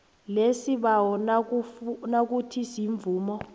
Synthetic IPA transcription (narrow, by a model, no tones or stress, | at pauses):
lesiɓawɔn | nak̬utʰisiɱb̪vuːmɔ